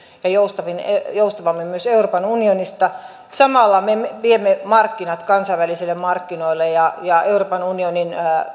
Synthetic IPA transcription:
jɑjoust̪ɑʋinejoust̪ɑʋɑmːemyøseuroːpɑnunionist̪ɑ | sɑmɑlːɑmemeʋiemːemɑrkːinɑt̪kɑnsɑʋælisilːemmɑrkːinoilːejɑjɑeuroːpɑnunioninː

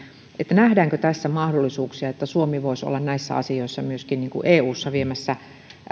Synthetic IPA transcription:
ʔet̪ːænæhdæːŋkøt̪æsːæmɑhdolːisuːksiɑet̪ːæsuomiʋoiso̰lːɑnnæisːæ̰ɑ̰sioisːɑmyøskinniːŋkṵʔeːuːsːɑʋiemæsːæ

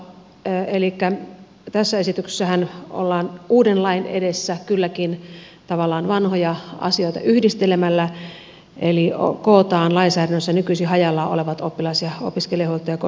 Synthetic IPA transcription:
elikːæ | t̪æsːæesit̪ykse̥sːæhæno̰lːɑːnʔuːdenlɑinḛdesːækylːækin | t̪ɑʋɑlːˑɑːnʋɑnhojɑɑ̰sioit̪ɑ̰ʔyhdist̪elemælːæ | ʔeliokoːt̪ɑːnlɑinsæːɾænːøsːænykysiɦɑjɑlːɑːoleʋɑt̪opːilɑisjɑo̰piskeliɑhuolt̪ojɑko

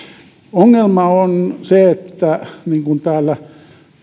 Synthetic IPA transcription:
oŋːelmɑonseet̪ːæniːŋkunt̪æːlːæ

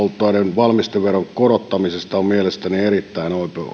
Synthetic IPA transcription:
olt̪ːˑoɑˑnenʋɑlmist̪eʋʋeroŋkorot̪ːɑmisest̪ɑmielest̪ænierit̪ːæinoip

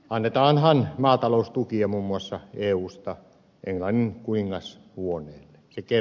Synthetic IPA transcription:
ɑnːet̪ɑːnhɑnmɑːt̪ɑloust̪ukiɑmumːuɑsːɑeːuːst̪ɑ | ʔeŋlɑnːiŋkuniŋːɑs | huonˑeːlːe̥seke

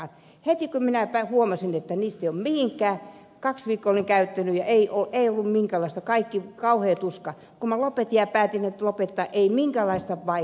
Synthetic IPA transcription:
het̪ikuminæpæhuomɑsinet̪ːæniːst̪eˑijommihiŋkˑæː | kɑksʋiːkːooliŋkæyt̪ːænyjɑ̰ʔeioʔeiolːummiŋkælɑˑist̪ɑkɑikːikɑuheːt̪uskɑ | kumælopet̪iɑpæːt̪inet̪lopet̪ːɑ̰ʔeimiŋkælɑist̪ɑʋɑ

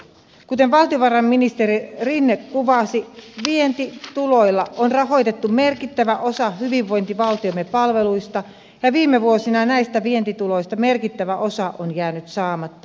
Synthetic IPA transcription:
kut̪e̞nʋɑlt̪ioʋɑrɑmːinist̪eɾirinːekkuʋɑsiʋient̪it̪ulo̞jlːɑonrɑɦo̞jt̪et̪ːummerkit̪ːæʋæʔo̞sɑhyʋiʋʋo̞jnt̪iʋɑlt̪iomepɑlʋe̞lujst̪ɑ | jɑʋiːmːeʋuosinɑnæjst̪æʋie̞nt̪it̪ulo̞jst̪ɑme̞rkit̪ːæʋæʔo̞sɑʔonjæːnyt̪sɑːmɑt̪ːɑ̥

